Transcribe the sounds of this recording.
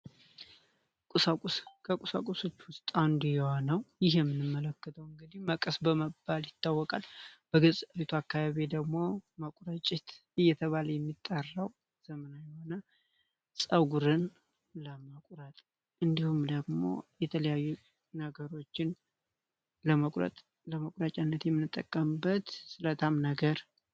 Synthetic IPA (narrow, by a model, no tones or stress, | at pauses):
kʼusakʼskʰəkʼusa̰kʼuso̞t͡ʃːwʊst̪ʼand̪ujɛho̞nəwjɪhjɛmːɨnːɨmːələkːət̪ʰəwɨŋɡɨd̪iməkʼəsbəməbːaljɪt̪ʰːawːɔkʼalb̥əɡɨsʼβit̪ʰuakːaβaβid̪əɡmo̞məkʷʼuɾat͡ʃʼɪt̪ | ɨjːɛt̪ʰəβaləjɛmːit̪ʼːarːaw | z̥əmənajɛhonə | sʼəɡuɾɨn | ləməkʷʼɾət̪ʼ | ʔɨnd̪ihumd̪əɡmo̞̰jɛt̪ʰələjajːu | nəɡəɾo̞t͡ʃːɪn | ləməkʼɾə̰t̪ʼ | ləməkʼɾat͡ʃʼanːət̪jɛmːɨnːɨt̪ʼːə̰kʼːəmbət̪sɨlət̪ʰamnəɡəɾ